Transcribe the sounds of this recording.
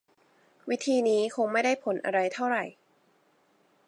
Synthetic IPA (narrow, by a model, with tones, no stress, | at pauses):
wi˦˥t̪ʰiː˧niː˦˥kʰo˧ŋma˥˩jda˥˩jpʰo˩˦nʔa̰˧ɾa˧jt̪ʰa˥˩wɾa˨˩j